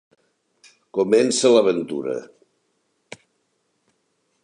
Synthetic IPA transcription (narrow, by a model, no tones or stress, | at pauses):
komɛnsələβənt̪ṵɾə̰